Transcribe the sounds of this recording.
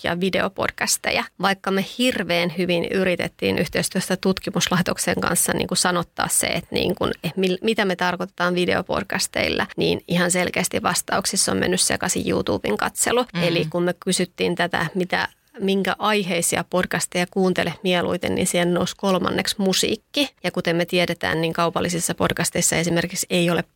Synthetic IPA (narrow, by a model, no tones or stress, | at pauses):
jɑ̰ʋide̞opo̰d̥kæst̪ḛjæʋɑikːɑmehirʋeːnhyʋinyɾit̪ḛt̪ːḭːnʔyht̪eist̪yøst̪æt̪ut̪kimuslɑit̪okseŋkɑ̰nsːɑnʔḭːŋkusɑnot̪ːɑ̰ːssḛet̪nḭːŋkunemilmit̪æmet̪ɑrkot̪et̪ɑːnʋideopo̰d̥kæst̪eilːænḭːnihɑnselkeːst̪iʋɑst̪ɑuksisːommḛnːyssḛkɑsḭjjṵːt̪ṵːb̥iŋkɑt̪seluelikummekysyt̪ːiːnt̪æt̪æ̰mit̪æ̰ | miŋkæ̰ʔɑiheisiɑpodkɑst̪ejækuːnt̪elehmiɛlṵit̪ennḭnsiennouskolmɑ̰nːeksmusḭːkːijɑkut̪emmet̪iɛɾet̪æ̰ːnniːŋkɑupɑlːisisːɑpodkɑst̪eisːɑesimerkikseiole